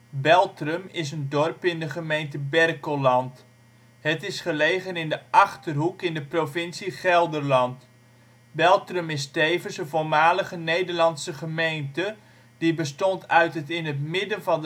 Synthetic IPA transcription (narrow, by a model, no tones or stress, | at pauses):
bɛlˠtrəmɪs̬əndɔrpɪndəχəmejntəbɛrkolɑnt | ɦətɪsχəlejχənɪndəʔɑχtərɦukɪndəprofɪnsiχɛlˠdərlɑnt | bɛlˠtrəmɪstejvənsənvolˠmaːləχənejdərlɑnsəχəmejntə | d̥ibəstɔntœɥtətɪnɦətmɪdənvɑn